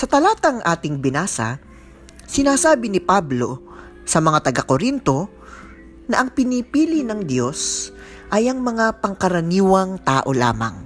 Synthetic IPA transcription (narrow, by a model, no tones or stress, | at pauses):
sɐt̪ɐlaːt̪ɐŋʔaːt̪ɪŋbɪnaːsɐ̰ | sɪnaːsaːbɪnɪpablo̞̰ | sɐmɐŋat̪ɐɡakoɾint̪o̞ | nɐʔɐŋpɪniːpiːlɪnɐŋd̪jo̞s | ʔɐjʔɐŋmɐŋapɐŋkɐɾɐniːwɐŋt̪aːʔo̞la̰ːmɐ̰ŋ